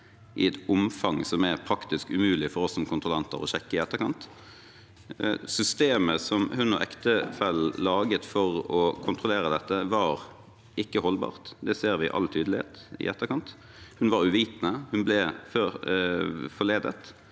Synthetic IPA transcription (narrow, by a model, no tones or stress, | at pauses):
ʔɪ̰ɛt̪ʊmfɑŋsɔmɛʁpʰɾɑkt̪ɪskʉmʉːlɪfɔɾɔsːɔmkʰʊnt̪ʁʊlɑnt̪ə̰ʁɔ̰ɕɛkːəɪɛt̪ːəɾkʰɑnt̪ | sʏst̪eːməsɔmhʉnɔ̰ʔɛkt̪əfɛllɑːɡət̪fɔʁɔkʰʊnt̪ʁʊleːʁəd̪ɛt̪ːəʋɑːʁ | ʔɪkːəhɔlbɑ̰ːʁt̪d̪ɛseːʁʋɪʔɑ̰lt̪ʰyːd̪lɪhḛːt̪ɪ̰ʔɛt̪ːəkʰɑnt̪ | hʉnʋɑʁʉʋiːt̪nəhʉnblɛfø | fɔleːd̪ə̰t̪